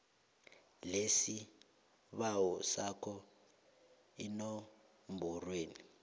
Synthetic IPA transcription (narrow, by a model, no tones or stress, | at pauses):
lesi | βawɔsakʰɔ | ino | mbʱɔrweːni